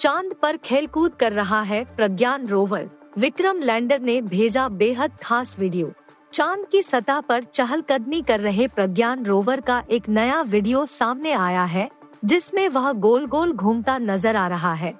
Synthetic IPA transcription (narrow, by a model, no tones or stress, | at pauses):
t͡ʃãːnd̪pɐɾkʰeːlkuːd̪̚kɐɾːɐɦaɦɛpɾɐɡjaːnɾoːʋə̰ɾʋɪkɾəmlɛ̃ːɳɖəɾnebʱeːd͡ʒabeːɦəd̪̚kʰaːsʋɪɖijoː | t͡ʃãːnd̪kisɐt̪apɐɾt͡ʃɐɦəlkɐd̪mikɐɾːɐɦepɾɐɡjaːnɾoːʋəɾkaʔeːknɐjaʋɪɖijosaːmneaːjaɦɛ | d͡ʒɪsmẽʋɐɦɡoːlɡoːlɡʱuːmt̪anɐzəɾaːɾɐɦaɦɛː